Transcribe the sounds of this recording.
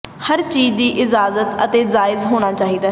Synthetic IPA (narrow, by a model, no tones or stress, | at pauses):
həɾt͡ʃiːzd̪iːʔɪzaːzət̪ə̰t̪eːzaːɪzɦoːɽ̃aːt͡ʃaːɦiːd̪aː